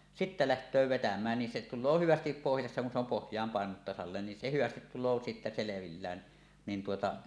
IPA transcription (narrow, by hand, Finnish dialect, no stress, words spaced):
sitːæ læhtˑøː ʋetæmˑæːn nin se tulˑoː hyʋæstip pohjɑsːɑ kun se om pohjˑɑːm pɑˑenunut tɑsɑlːeːn nin se hyʋæstit tulˑoː sitːæ seleʋilːæːn niːn tuotɑ